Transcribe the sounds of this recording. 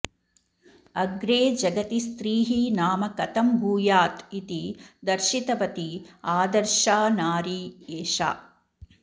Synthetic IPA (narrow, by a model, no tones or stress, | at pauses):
ɐɡɾeːd͡ʒɐɡɐt̪ist̪ɾiːɦinaːmɐkɐt̪ɐmbʱuːjaːt̪it̪id̪ɐɾʃit̪ɐpɐt̪iaːd̪ɐɾʃaːnaːɾieːʃa̰ː